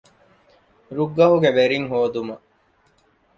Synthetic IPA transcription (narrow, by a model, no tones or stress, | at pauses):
ɾuɡːɐɦuɡeʋeɾiŋɦoːd̪umɐ